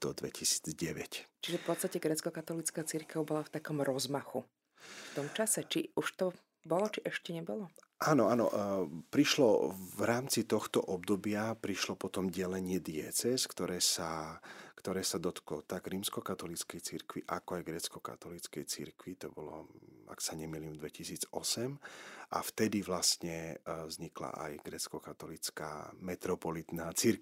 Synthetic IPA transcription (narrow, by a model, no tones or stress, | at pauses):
d̪̥ɔd̪ʋɛ̰cisi̥ːd͡zɟɛʋɛct͡ʃiʒɛfpɔt̪st̪acɛɡɾɛt͡skɔkat̪ɔlit͡skaːt͡siɾkɛʊbɔlaft̪akɔmɾɔzmaxu | ft̪ɔmt͡ʃasɛt͡ʃiuʃt̪ɔ | bɔlɔt͡ʃiʔɛʃcɛɲɛbɔlɔ | ʔaːnɔaːnɔ̰pɾiʃlɔvɾaːmt͡sit̪ɔxt̪ɔʔɔb̚d̪ɔbɪapɾiʃlɔpɔt̪ɔmɟɛlɛɲɪɛd̪ɪɛt͡sɛskt̪ɔɾɛːsakt̪ɔɾɛːsad̪ɔt̪klɔt̪aɡɾiːmskɔkat̪ɔlit͡skɛjt͡siɾkʋḭʔa̰kɔajɡɾɛt͡skɔka̰t̪ɔlit͡skɛjt͡sḭɾkʋit̪ɔbɔlɔ̰a̰ksaɲɛmiliːmd̪ʋɛcisiːd͡zɔsɛmʔa̰ft̪ɛd̪iʋlasɲɛvzɲikla̰ʔa̰jɡɾɛt͡skɔkat̪ɔlit͡ska̰ːmɛt̪ɾɔpɔlit̪naːt͡siɾk